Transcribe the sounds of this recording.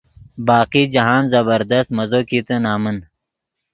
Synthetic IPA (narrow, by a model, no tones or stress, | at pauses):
baːqiːd͡ʒɐɦaːnzɐbɐɾd̪ɐst̪mɐzoːkit̪ɨnaːmən